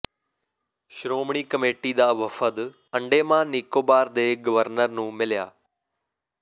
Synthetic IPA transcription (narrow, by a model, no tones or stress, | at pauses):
ʃɾoːmɳ̃iːkəmeːʈiːd̪aːʋəfʰəd̪ | əɳɖeːmãːniːkoːbaːɾd̪eːɡəʋəɾnəɾnũːmɪlja̰ː